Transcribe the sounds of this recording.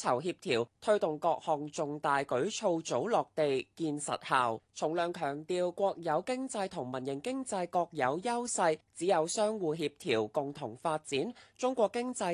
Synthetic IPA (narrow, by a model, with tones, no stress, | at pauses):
ɐ˨˩wɦiː˧p̚t̪ʰiː˨˩wt̪ʰɵ˥t̪ʊ˨ŋkɔː˧k̚hɔː˨˩ŋt͡sʊ˨ŋt̪aː˨jkɵ˨˥ɥt͡sʰo˧wt͡so˨˥wlɔː˨˩k̚t̪e˨jkiː˧nsɐ̰˨t̚haː˨wt͡sʰʊ˨˩ŋlœː˨˩ŋkʰœː˨˩ŋt̪iː˨˧wkʷɔː˧k̚jɐ˨˧wkɪ˥ŋt͡sɐ˧jt̪ʰʊ˨˩ŋmɐ˨˩njɪ˨˩ŋkɪ˥ŋt͡sɐ˧jkɔː˧k̚jɐ˨˧wjɐ˥wsɐ˧jt͡siː˨˥jɐ˨˧wsœː˥ŋwuː˨˧ɦiː˧p̚t̪ʰiː˨˩wkʊ˨˩ŋt̪ʰʊ˨˩ŋfaː˧t̚t͡siː˨˥nt͡sʊ˥ŋkʷɔː˧kːɪ˥ŋt͡sɐ˧